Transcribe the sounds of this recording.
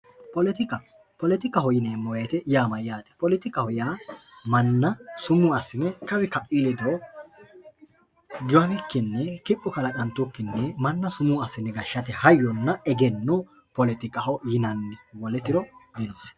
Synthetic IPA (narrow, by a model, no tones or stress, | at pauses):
pɔlɛt̪ɪkʼɐ | pɔlɛt̪ɪkʼːɐhɔjɪneːmːɔjɐjt̪ɛjaːmɐjjaːt̪ʼɛ̥pɔlɪt̪ɪkʼːɐhɔjaːmɐnːɐsʊmʊɐsːɪnɛkɐwɪkɐʔilɛd̪o | ɡɪwɐnɪkːɪnːɛkɪpʼːʊkɐlɐkɐnt̪ːʊkːɪnːɛmɐnːɐsʊmʊɐsːɪnːɛɡɐʃːɐt̪ɛhɐjːɔnːɐɛɡɛnːo | pɔlɪt̪ɪkʼːɐhɔjɪnɐnːɛwɔlɛt̪ɪɾɔd̪ɪnos